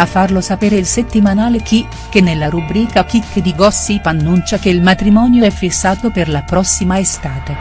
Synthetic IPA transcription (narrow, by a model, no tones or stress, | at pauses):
afːarlosapeːɾeilset̪ːimanaːlek̟i | k̟enːelːaɾubɾiːkak̟ikːd̪iɡɔsːipanːunt͡ʃakeilmat̪ɾimɔːnjoɛfːisːaːt̪operlapɾɔsːimaest̪aːt̪e